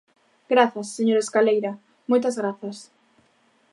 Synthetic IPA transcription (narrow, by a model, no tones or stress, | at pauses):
ɡ̥ɾaθɐsːeɲoɾeskalejɾa | mojt̪azɣɾaθɐs